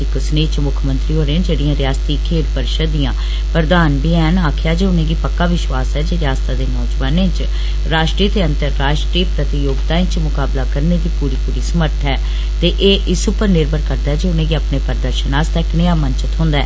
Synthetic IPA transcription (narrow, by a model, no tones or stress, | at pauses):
ikəsneːt͡ʃmʊkʰmə̃nt̪ɾiːɦoːɾeãːd͡ʒeːɽijãːɾɪjaːst̪iːkʰeːʈ̪pəɾʃəd̪ijãː | pɾəd̪aːnbiɛ̃ːɦnaːkʰjaːd͡ʒeːʊnẽːɡiːpəkːaːʋɪʃwaːsɛːd͡ʒeːɾɪjaːst̪aːd̪eːnɔːd͡ʒʋaːnẽːt͡ʃ | ɾaːʃʈɾiːt̪eːənt̪əɾːaːʃʈɾiːpɾət̪ɪjoːɡd̪aːẽːt͡ʃmʊkaːblaːkəɾneːd̪iːpuːɾiːpuːɾiːsəməɾt̪ʰɛː | t̪eːʔeːʔɪsʊpəɾnɪɾbəɾkəɾd̪aːɛd͡ʒeːʊnẽːɡiːəpneːpəɾd̪əɾʃənaːst̪ɛːkneaːmənt͡ʃət̪ɦʊ̃nd̪aɛː